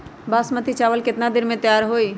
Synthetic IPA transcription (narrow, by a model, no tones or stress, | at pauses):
basmət̪it͡ʃaʋəlkɪt̪nad̪iɾmẽt̪jaɾɦoi